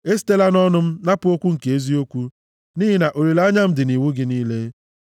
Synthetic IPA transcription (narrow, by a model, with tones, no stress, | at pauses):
e˦s̬i̥˦te˦la˦nɔ˦nʊ˦m̩˦na˦pʊ˨˦o˦kʷu˦ŋ̩˨ke˨e˦zi˦o˦kʷu˦ | niː˦ɦi˦na˨ʔo˨ɾe˨la˦ɲa˦m̩˦dɪ˨ni˨wu˦ɡɪ˦niː˦le˦